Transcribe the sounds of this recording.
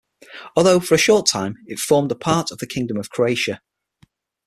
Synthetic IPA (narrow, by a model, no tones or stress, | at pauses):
ɔːlˠðoʊfəɹəʃɔˑtʰãɪ̃mɪtfɔːmdəpʰɑˑtəvðəkʰɪ̃ŋdə̃məv̥kʰɹ̥oʊeɪʃə